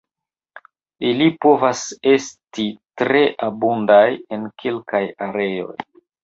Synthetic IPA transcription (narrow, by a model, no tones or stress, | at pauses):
ilipo̞vase̞stitɾe̞ʔabundaje̞nkʰelkajaɾe̞jo̞̰j